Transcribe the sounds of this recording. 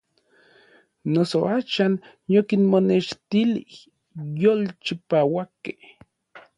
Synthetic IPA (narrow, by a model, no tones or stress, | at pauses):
nosoaːʃan | jokinmoneʃt̪ilih | jolt͡ʃipawakːeh